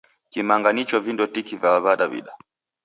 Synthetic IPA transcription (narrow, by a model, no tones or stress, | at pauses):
kimaŋɡanit͡ʃɔvindɔtikivjaaβaɗavḭɗa